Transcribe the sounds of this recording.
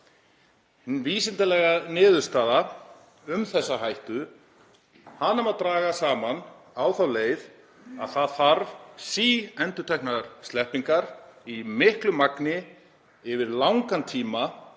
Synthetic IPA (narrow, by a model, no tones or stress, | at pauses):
viːsɪnt̪alɛɣanɪːðʏɾst̪aːða | ʏmθɛsːaɦajht̪ʏ | hanːamaðt̪ɾaːɣasaːman | awθawleːjð | a̰ðθaðθaɾvsiːɛnt̪ʏɾ̥t̪ʰɛjknaɾst̪lɛhpiŋkaɾimɪhklʏmaknɪ | ɪvɪɾlawŋkant̪ʰiːma